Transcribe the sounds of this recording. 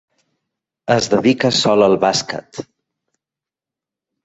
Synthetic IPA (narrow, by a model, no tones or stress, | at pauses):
əzðəðikəsɔləlˠβaskə̰t̪